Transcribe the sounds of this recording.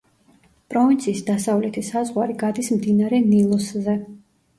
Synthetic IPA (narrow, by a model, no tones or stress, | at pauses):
pʼɾɔvint̪sʰiːsd̪asavlɛt̪ʰisazʁwaɾiɡad̪ismd̪inaɾɛnilˠɔszɛ